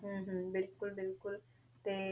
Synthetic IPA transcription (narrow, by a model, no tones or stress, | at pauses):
ɦ̩ɦəbɪlkʊlbɪlkʊl | t̪e